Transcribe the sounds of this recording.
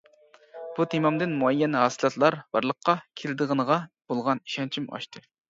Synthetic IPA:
b̥ut̪ʰemɑmd̪ɪnmuɛjːɛnɦɑːsɨlˠɑt̪lˠɑɾb̥ɑ̰ɾlˠəqːɑkʲʰelɪd̪ɨʁənəʁɑb̥olˠʁɑniʃɑnt͡ʃʰimɑ̰ʃt̪ʰɨ

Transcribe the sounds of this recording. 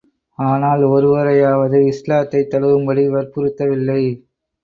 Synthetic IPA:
aːnaːlɔɾɯʋɐɾɐjaːʋɐðɯɪslaːt̪ːɐɪt̪ːɐɽɯʋɯmbɐɽiʋɐɾpɯɾɯt̪ːɐʋɪlːɐɪ

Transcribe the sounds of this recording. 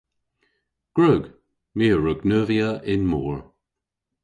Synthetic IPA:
ɡ̥ɹʊɡ | miːɹəɡnœːviəɪnmɔːɹ

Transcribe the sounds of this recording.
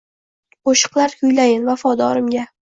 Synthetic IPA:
qoʃɨ̥qlˠaɾkʰʲʊjlajɪnvafɒd̪ɒɾɪmɡʲa

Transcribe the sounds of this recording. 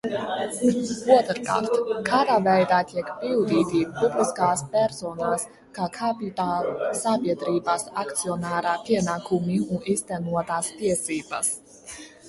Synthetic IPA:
uɔt̪ɾka̰ːɾt̪kaːd̪aːvɛjd̪aːt̪iɛkpild̪iːt̪ipubliskaːspʲɛɾsɔːnaːs | kaːkʰapit̪aːlˠusabiɛd̪ɾiːbasakt̪siɔnaːɾaːpiɛnaːkʰumiuniːst̪ɛnuɔt̪aːst̪iɛsiːba̰s

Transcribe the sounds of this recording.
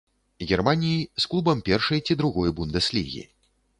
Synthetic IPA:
ɣʲɛrmanʲijisklˠubɐmpʲɛrʂɐjt͡sʲid̪ɾuɣɔjbund̪ɛslʲḭɣʲḭ

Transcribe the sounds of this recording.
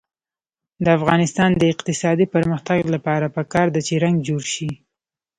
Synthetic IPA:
d̪əafɣɑnɪst̪ɑnd̪əɪqt̪ɪsɑd̪ipəɾməxt̪aɡlapɑɾapəkɑɾd̪at͡ʃeɾaŋɡd͡ʒoɾʃi

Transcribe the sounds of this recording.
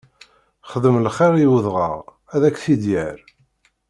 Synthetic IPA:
χəðəmlχeʁiwəðʁə̰ʁ | æðækːθid̪jæɾ

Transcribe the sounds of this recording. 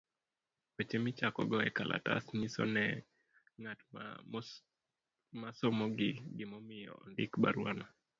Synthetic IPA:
ot͡ʃemit͡ʃakɔ̰ɡɔɛkalʔa̰ta̰snisɔ̰nɛ | ŋat | masɔmɔɡɪɡɪmɔmɪjɔ̰ɔ̰ndɪkba̰ɾwana

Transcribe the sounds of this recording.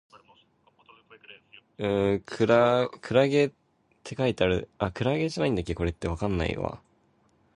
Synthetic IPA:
ɯ̃kʰɯɾakʰɯ̟ɾaɡe̞ | t̪ʰːe̞kait̪eaɾɯ̟akɯ̟ɾaɡe̞ʑanaĩnd̪akʲːeko̞ɾe̞t̪ːe̞β̞akãnːa̰ḭβa̰

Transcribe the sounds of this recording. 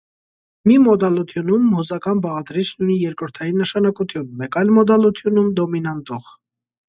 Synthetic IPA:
mimɔd̪ɑlut̪ʰjunumhuzɑkɑnbɑʁɑd̪ɾit͡ʃʰnujnijɛɾkɾəɾt̪ʰɑjinːəʃɑnɑkut̪ʰjunmɛkɑjlmɔd̪ɑlut̪ʰjunumd̪ɔminɑnt̪ɔʁ

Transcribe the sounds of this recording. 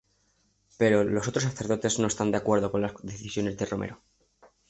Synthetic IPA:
pe̞ɾo̞lo̞so̞t̪ɾo̞s̬aθe̞ɾðo̞t̪e̞zno̞est̪and̪eakwe̞ɾðo̞ko̞nlasðeθisjo̞ne̞zðe̞ro̞meɾo

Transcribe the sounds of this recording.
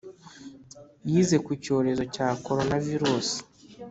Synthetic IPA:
jiːze̞kuco̞ːɾe̞zo̞caːko̞ɾo̞naviɾusi̥

